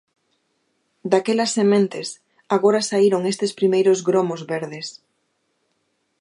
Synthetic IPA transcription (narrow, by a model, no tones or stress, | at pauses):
d̪akɛlɐsːemẽnt̪ɪs | aɣoɾɐsaiɾoŋest̪ɪspɾimejɾozɣɾomozβeɾðɪs